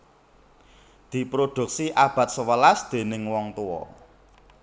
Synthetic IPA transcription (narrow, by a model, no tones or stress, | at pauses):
d̪̥i̤pɾod̪̥ṳk̚siʔab̥a̤t̪̚səwəlasd̪̥e̤nɪŋwɔŋt̪uwɔ̰